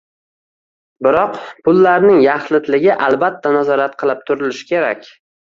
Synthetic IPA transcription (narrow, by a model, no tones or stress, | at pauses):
bɪɾɒqpʰʊlːaɾnɪŋjaχlˠɪt̪lɪɡʲɪʔalˠbat̪ʰːanazɒɾat̪̚qʰɨlˠɪp̚t̪ʰʊɾɪlɪʃɪ̥kʲʰe̞ɾa̰kʲ